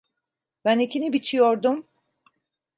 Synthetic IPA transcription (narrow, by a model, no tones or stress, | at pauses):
b̥ænicinibit͡ʃʰijoɾd̪um